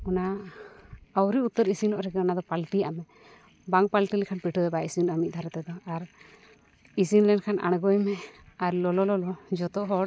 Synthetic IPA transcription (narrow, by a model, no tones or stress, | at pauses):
ɔna | awɾiut̪ːəɾisinɔʔɾɛkɛɔnad̪ɔpalʈiamɛ | baŋpalʈilikʰanpiʈʰɔd̪ɛbaisinɔʔamit̪̚ˀd̪ʱaɾɛt̪ɛd̪ɔaɾ | isinlɛnkʰanʔa̰ɽ̃ɡɔjmɛaɾlɔlɔlɔlɔd͡ʒɔt̪ɔʔɦɔ